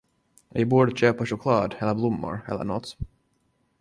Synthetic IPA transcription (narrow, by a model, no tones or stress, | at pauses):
vɪbuːɖəɕøːpaʂʊkʰlɑːd̪ɛlːəɾblʊmːʊ̰ɾɛ̰lːə̰ɳɔt̪ː